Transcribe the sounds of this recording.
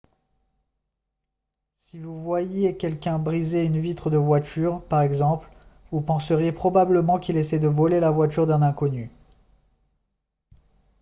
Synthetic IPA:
sivuvwajekʲɛlkʲɛ̃bʁizeynvit̪χəd̪əvwat̪ʰyʁpaʁɛɡzɑ̃pl | vupɑ̃səʁjepχɔbabləmɑ̃kʲilesɛd̪əvɔlelavwat̪̬yʁd̪ɛ̃nɛ̃kɔny

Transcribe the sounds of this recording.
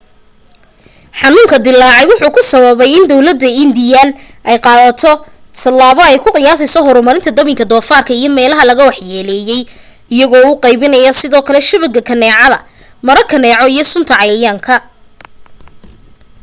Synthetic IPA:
ħɑnuːŋkʰɐd̪ɪlːaːʕɛjwʊħuːkʰʊsɐβɐβɛjɪnd̪ɔwlɐd̪ːɐɪnd̪ɪjan | ʔɛjqɑːðɐt̪ʰɔ | t̪ʰɐlːaːβɔɛjkʰʊqɪjaːs̬ɪsɔɦɔɾʊmɐɾɪnt̪ʰɐd̪ɐmɪŋkʰɐd̪ɔːfaːrkʰɐijɞmɛːlɐɦɐlɐɣɐwɑħjɛːlɛːjɛj | ɪjɐɣɔːʊqɑjβɪnɐjɔsɪðɔːkʰɐlɛʃɪβɐɡɐkʰɐnɛːʕɑðɐ̰ | mɐɾɐkʰɐnɛːʕɔijɞsʊnt̪ʰɐʕɑjaːŋkʰɐ

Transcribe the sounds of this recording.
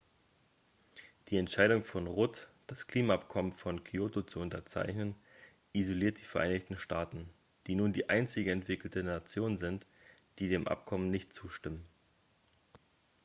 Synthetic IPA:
d̥iːɛntʃaɪdʊŋfɔnʁʊtd̥askl̥iːmaapkʰɔmənfɔnkʰioːtot͡suʊntɐt͡sa̰ɪçnən | ʔizoliːɐt̚d̥iːfɛɐʔa̰ɪnɪçtn̩ʃtaːtn̩ | d̥iːnuːndiːʔaɪnt͡sɪɡəɛntv̥ɪkl̩tənat͡sjoːnzɪnt | d̥iːdeːmʔa̰p̚kʰɔmənɪçtt͡suːʃtɪmən

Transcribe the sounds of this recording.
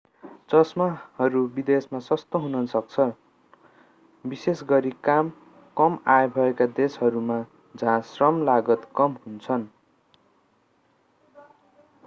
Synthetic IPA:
d͡zʌsmahʌɾubid̪esmasʌst̪oɦunʌsʌk̚t͡sʰʌ | bisesɡʌɾikam | kʌmajbʱʌekad̪esɦʌɾuma | d͡zʱãsrʌmlaɡʌt̪kʌmɦunt͡sʰʌn

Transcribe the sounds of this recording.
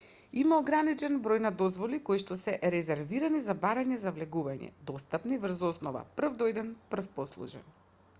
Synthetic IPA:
imaoɡɾanit͡ʃɛnbɾojnad̪ɔzvɔlikojʃt̪ɔsɛʔɾɛzɛɾviɾanizabaɾaɲɛzavlɛɡuvaɲɛ̰d̪ɔst̪apnivrzɔsnɔva̰pr̩vd̪ɔɛd̪ɛnpr̩fpɔslˠṵʒɛ̰n

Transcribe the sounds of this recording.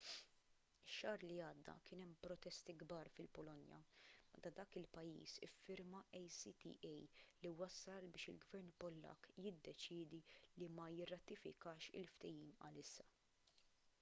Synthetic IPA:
ɪʃːɐːɾliɐːd̪ːɐ̰kɪːnɛmpɾɔt̪ɛst̪iɡbɐːɾfɪlpɔlɔnjɐ̰mɛt̪ɐd̪ɐːkɪlpɐjːḭːsɪ̰fːɪɾmɐʔɛjsit̪ḭːʔɛjliwɐsːɐlbɪːʃɪlɡvɛɾnpɔlːɐ̰kːjɪd̪ːɛt͡ʃɪːd̪ilimɐjɪrːɐt̪ɪfɪ̰kɐːʃɪ̰lft̪ɛjiːmɐ̰lɪsːɐ

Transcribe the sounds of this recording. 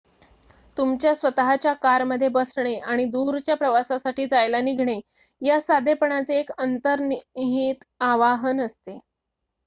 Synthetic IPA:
t̪umt͡ɕjasʋət̪aɦat͡ɕjakaɾməd̪ʱːjebəsɳ̃eaɽ̃id̪uɾt͡ɕjapɾəʋasasaʈiːd͡zajlaniɡʱɳ̃e | jasad̪epəɳat͡seːkənt̪əɾnɦit̪ | aʋaɦənəst̪e

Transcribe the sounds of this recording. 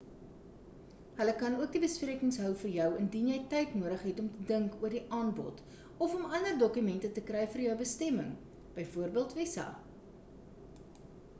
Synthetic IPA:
ɦələkɐnuək̚dibəspriəkəŋsɦœwfərjœwəndinjɛjtɛjtnuəɾəχɦɛtɔmtədəŋkuərdiʔɑːnbɔ̰t | ɔfɔmɐndərdɔkymɛntətəkrɛjfərjəwbəstɛməŋ | b̥əjfuərbiəlˠtvɛsɐ̰

